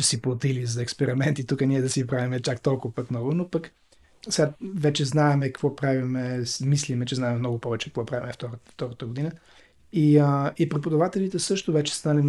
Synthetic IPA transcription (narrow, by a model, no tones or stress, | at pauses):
siplˠot̪ilizɐɛkspɛɾimɛnt̪it̪ukəniɛd̪ɐsipɾavimɛt͡ʃakt̪ɔlˠkʊvəpət̪nɔvʊnopək | sɛɡavɛt͡ʃɛznaɛmɛkəkvɔpɾavimɛsmislimɛt͡ʃɛznaɛmɛmnɔɡʊpɔvɛt͡ʃɛkəkvɔpɾavʲimɛft̪ɔɾft̪ɔɾət̪əɡod̪inə | iəipɾɛpod̪ɐvat̪ɛlit̪ɛsɤʃt̪ovɛt͡ʃɛ̥st̪alim